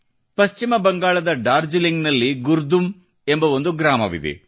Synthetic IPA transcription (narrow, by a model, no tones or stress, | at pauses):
pɐʃt͡ʃimɐbɐŋɡaːɭɐd̪ɐɖaːɾd͡ʒiliŋɡnɐlːiɡuɾd̪um | e̞mbɐʋo̞nd̪uɡɾaːmɐ̰ʋḭd̪ḛ